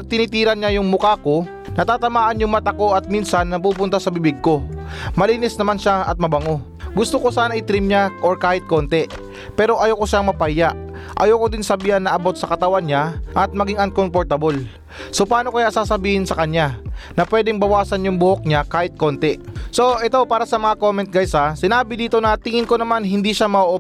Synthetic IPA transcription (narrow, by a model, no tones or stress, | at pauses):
t̪ɪnit̪iːɾɐnɲajʊŋmʊkaːko̞ | nɐt̪aːt̪ɐmaːʔɐnjʊŋmɐt̪ɐko̞ʔɐt̪̚minsɐnːɐpuːp̬ʊnt̪asɐbɪbɪɡ̚ko̞mɐliːnɛsnɐmanʃaɐ̰t̪̚mɐbɐŋo̞ | ɡʊst̪okosaːnɐʔɪt̪ɾɪmɲaʔoɹkaːhɪt̪̚ko̞nt̪ɛ | pɛːɾo̞ʔɐjokoʃaŋmɐpajaʔ | ʔɐ̰jowkod̪ɪnsɐbiːhɐnːɐʔɐbo̞t̪̚sɐkɐt̪ɐwanɲaʔɐt̪̚mɐɡiŋʔɐŋkompoɾt̪ɐbol | sopaːno̞kɐjasaːsɐbiːhɪnsɐkɐɲjanɐpwɛːd̪ɛŋbɐwaːsɐnjʊŋbʊhok̚ɲakaːhɪt̪̚ko̞nt̪ɛso̞ʔɛt̪owpaːɾɐsɐmɐŋako̞mɛnt̪̚ɡajsasɪnaːbɪd̪iːt̪o̞nɐt̪ɪŋɪnkonɐmanɦɪnd̪iʃamɐʔoʔo